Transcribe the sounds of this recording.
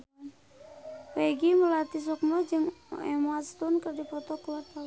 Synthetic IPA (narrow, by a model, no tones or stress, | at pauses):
weɡiməlat̪is̬ɔk̚nɔd͡ʒɨŋɛmast̪unkərdipɔt̪ɔkuwat̪̚a